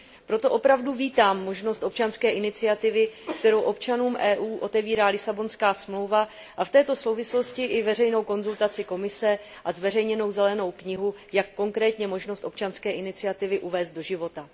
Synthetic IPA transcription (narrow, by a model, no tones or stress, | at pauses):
pɾo̞t̪o̞ʔo̞pɾavduviːt̪aːmːo̞ʒno̞st̪ʔo̞p̚t͡ʃanskɛːʔɪnɪt͡sɪat̪ɪvɪkt̪ɛɾo̞wʔo̞pt͡ʃanuːmʔɛːʔuːʔo̞t̪ɛviːɾaːlɪsabo̞nskaːsmlo̞wva | ʔaft̪ɛːt̪o̞so̞wvɪslo̞scɪʔɪvɛr̝ɛjno̞wko̞nzult̪at͡sɪko̞mɪsɛ | ʔazvɛr̝ɛjɲɛno̞wzɛlɛno̞wkɲɪɦujakːo̞ŋkɾɛːt̪ɲɛmo̞ʒno̞st̪o̞p̚t͡ʃanskɛːʔɪnɪt͡sɪat̪ɪvɪʔuvɛːst̪̚do̞ʒɪvo̞t̪a